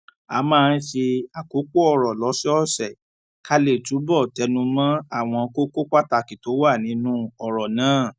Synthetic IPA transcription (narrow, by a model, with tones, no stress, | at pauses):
a˨˦mãː˦˧˦ʃe˧a˨ko˨˦k͡po˦ɔ˦˨ɾɔ˨lɔ˨˦si˦ɔ˦sɛ˨ | ka˦le˦˨tu˨˦bɔ˦˨tɛ˧˦nũ˧mã˦a˦˨w̃ɔ̃˧ko˦ko˦k͡pa˦ta˧˨ki˨to˨˦wa˦˨nĩ˨˦nũ˦ɔ˨ɾɔ˨nãː˨˦˨